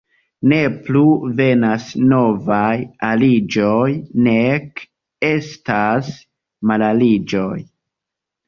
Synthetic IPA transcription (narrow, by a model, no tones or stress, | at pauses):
ne̞pluve̞nasno̞vajalid͡ʒo̞jne̞k | e̞stas | malalid͡ʒo̞j